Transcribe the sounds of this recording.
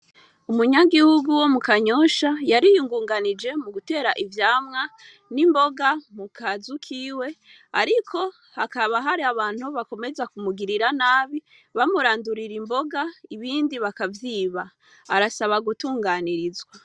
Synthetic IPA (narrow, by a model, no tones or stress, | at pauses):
umuɲaɡihuɡuwo̞mukaɲo̞ːʃajaɾijuŋɡuːŋɡanid͡ʒe̞muɡute̞ːɾaʔivjaːmŋa | nimbo̞ɡamukʰazukʰiwe̞ | aɾikʰo̞ | hakaβaɦaɾiaβaːn̥huβako̞me̞zakumuɡiɾiɾanaːβi | βamuɾaːnduɾiɾimbo̞ɡaiβiːndiβakavjiːβaː | ɾasaβaɡutuːŋɡaniɾizwa